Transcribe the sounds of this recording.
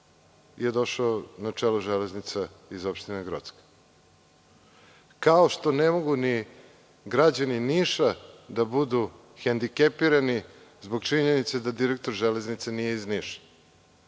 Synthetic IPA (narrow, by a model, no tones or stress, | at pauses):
jed̪o̞ʃaonat͡ʃeluʒeleznit̪se | izopʃt̪ineɡɾo̰t̪ske̥ | kaoʃt̪o̞nemo̞ɡuni | ɡɾad͡ʑaniniʃad̪abud̪u | xend̪ikepiɾani | zbo̞ɡt͡ʃiɲenit̪sed̪ad̪iɾek̚t̪o̞ɾʒele̞znit̪senijeizniːʃḁ